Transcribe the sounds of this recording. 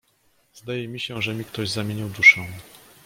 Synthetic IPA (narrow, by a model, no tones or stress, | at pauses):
zd̪ajɛmʲiɕɛʐɛmʲikt̪ɔʑzamʲjeɲiwd̪uʂɛ̃